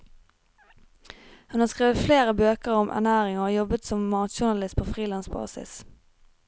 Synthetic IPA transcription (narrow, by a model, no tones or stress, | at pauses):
hʉnhɑːskʁeːʋəfleːʁəbøːkəʁɔmʔæ̰ʁnæːʁɪŋɔjɔbət̪sɔmmɑːt̪ʃʊɳɑlɪst̪̚pʰoːfʁiːlɑnsbɑ̰ːsɪ̰s